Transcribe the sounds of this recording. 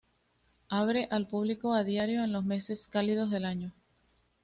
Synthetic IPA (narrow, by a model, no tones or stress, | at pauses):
aβɾe̞ʔalpuβliko̞aðjaɾjo̞enlo̞sme̞se̞skalið̞o̞zðe̞laɲo